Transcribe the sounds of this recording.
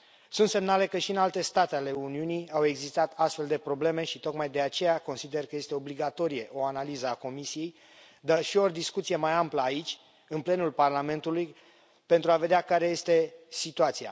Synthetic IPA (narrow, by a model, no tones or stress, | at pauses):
sunt̪se̞mnale̞kəʃiɨnalt̪e̞st̪at̪eale̞uniunijawe̞ɡzist̪at̪ʰast̪fe̞ld̪e̞pɾo̞ble̞me̞ʃit̪o̞kmajd̪e̞at͡ʃe̞jako̞nsid̪erkəje̞st̪e̞o̞bliɡat̪o̞ɾije̞ʔo̞analizəako̞misije̞j | d̪aʃiord̪iskut̪sije̞majampləait͡ʃʲ | ɨnple̞nulparlame̞nt̪uluj | pe̞nt̪ɾuave̞d̪eakaɾe̞je̞st̪e̞sit̪uat̪sia̰